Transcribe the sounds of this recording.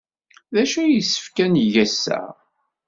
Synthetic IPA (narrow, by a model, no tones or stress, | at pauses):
ðæʃæjəsːə̥fkænʝæsːæ̰ʁ